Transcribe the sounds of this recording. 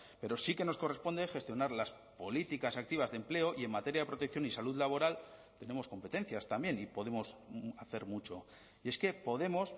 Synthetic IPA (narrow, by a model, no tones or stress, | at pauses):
pe̞ɾo̞sike̞no̞sko̞re̞spo̞nd̪exe̞st̪jo̞naɾlas | po̞lit̪ikasak̚t̪iβ̞azðe̞mple̞oʔie̞mmat̪eɾjaðepɾot̪e̞k̚θjo̞nisaluðlaβ̞o̞ɾalt̪e̞ne̞mo̞sko̞mpe̞t̪e̞nθjast̪ambje̞nipo̞ðe̞mo̞saθe̞ɾmut͡ʃo̞ | ie̞ske̞po̞ðe̞mo̞s